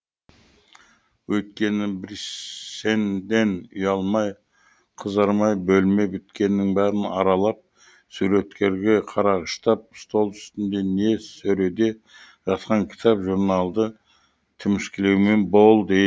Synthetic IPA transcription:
wɵjt̪̚kʲe̞nɪbɪɾsend̪e̞nʏ̰jɑlˠmɑj | qʰəzɑɾmɑjbɵlme̞bɪt̪kʲe̞nːɪŋbæɾɪnɑɾɑlˠɑp̚ | suɾe̞t̪kʲʰe̞ɾɡʲe̞qʰɑɾɑʁəʃt̪ɑp̚st̪o̞lˠʏ̥st̪ɪnd̪e̞ne̞sɵɾe̞d̪e̞ | ʒ̥ɑt̪qɑŋkʲʰɪ̥t̪ɑpʒuɾnɑlˠd̪ə | t̪ʰɪmɪskʲɪlewme̞nbo̞lˠd̪e

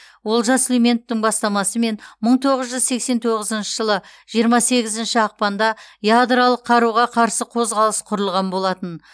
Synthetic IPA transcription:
wo̞lˠʒɑslʲeme̞nt̪ːɪŋbɑst̪ɑmɑsəme̞nməɴt̪ʰo̞ʁəzʒʏzse̞kse̞nt̪ʰo̞ʁəzənʃəʒəlˠəʒ̥ijəɾmɑse̞ɡʲɪzɪnʃɪɑq̚pɑnd̪ɑjad̪ɾalˠəqʰːɑɾuʁɑqʰɑɾsəqʰo̞zʁɑlˠəsqʰʊɾəlˠʁɑnbo̞lˠɑt̪ən

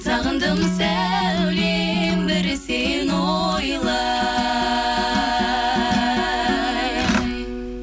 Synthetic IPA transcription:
sɑʁənd̪əmsæ | wle | mbɪɾsenojlˠə

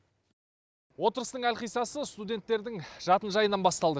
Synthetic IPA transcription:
wo̞t̪əɾəst̪əɴŋælqijsɑsəst̪ud̪ʲe̞nt̪ːe̞ɾd̪ɪŋʒ̥ɑt̪ənʒɑjənɑnbɑst̪ɑlˠd̪ə

